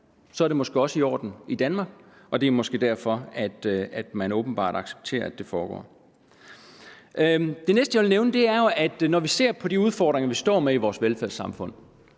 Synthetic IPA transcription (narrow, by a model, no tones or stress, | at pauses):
sɒ̽æɐɾ̥emɒ̽sɡ̥e̝ɒ̽səiɒ̰ːd̥n̩id̥ænmɑ̈ːɡ̥ɒ̽d̥e̝mɒ̽sɡ̥e̝ːd̥æɐfɒ̽æd̥æd̥mænɔ̽ːb̥n̩b̥ɑ̰̈ːd̥ɑ̈ɡ̥se̥b̥̚t͡sʰe̝̰ːɐæd̥e̝fɒːɡ̥ɒ̰ː | d̥e̝nesd̥əjaʋe̝lneʊnəd̥e̝æɐjo̝ʔæd̥nɒʋise̝̰ɐ̰pʰɒ̽d̥iuð̞ˠfɒ̰ːd̥ʁeŋɐʋisd̥ɒ̰ːmeiʋɒːsʋelfæɐsɑ̈mfɔ̽n̰